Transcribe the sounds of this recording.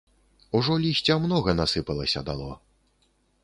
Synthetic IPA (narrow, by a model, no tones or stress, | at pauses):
uʐɔlʲisʲt͡sʲɐmnɔɣɐnasɨpɐlˠɐsʲɐd̪alˠɔ